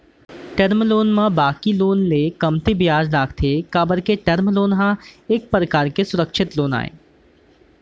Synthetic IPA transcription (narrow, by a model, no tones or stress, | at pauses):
ʈɐɾmloːnmãbaːkiloːnlekɐmt̪ibɪjaːd͡ʒɖaːkʰt̪ʰekaːbəɾkeʈɐɾmloːnɦãeːk̚pɾəkaːɾkesʊɾəkʃɪt̪loːna̰ːḛː